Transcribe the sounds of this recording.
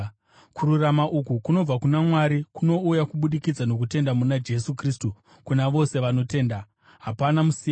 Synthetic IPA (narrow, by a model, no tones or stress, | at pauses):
kuɾuramaʔukukuno̞b͡vakunamwaɾikuno̞ujakuɓuɗikid͡zano̞k̬ute̞ndamunad͡ʒe̞sukriːstu | kunaʋo̞se̞ʋano̞te̞ːnda | ɦapanamusi